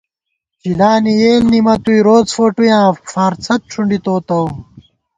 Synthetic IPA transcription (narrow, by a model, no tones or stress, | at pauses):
t͡ɕilaːnijeːlnimɐt̪uiɾoːt͡sfoːʈujãːfaːɾt͡sʰɐt̪̚ʈ͡ʂʰuɳɖit̪oːt̪ɐw